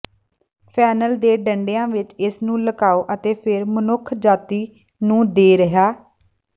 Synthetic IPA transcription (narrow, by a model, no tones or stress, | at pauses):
pʰɛːnəld̪eːɖəɳɖejãːʋɪt͡ʃɪsnũːləkaːoːʔət̪eːpʰɪɾmənʊkʰd͡ʒaːt̪iː | nũːd̪eːɾəɦaː